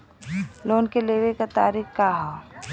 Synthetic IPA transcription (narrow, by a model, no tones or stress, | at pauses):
loːnkeleːʋekat̪aːɾikkaɦo